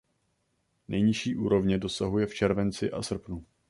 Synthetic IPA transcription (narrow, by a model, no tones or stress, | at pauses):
nɛjɲɪʃiːʔuːɾo̞vɲɛdo̞saɦujɛft͡ʃɛɾvɛnt͡sɪʔa̰sr̩pnu